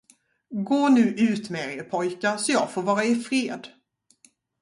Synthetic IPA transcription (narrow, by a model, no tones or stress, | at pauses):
ɡoːnʉ̟ːʔʉ̟ːt̪mɛeɾəɾpʰɔjkasɔjɑːɡfoːɾvɑːɾaɪfɾeːd̪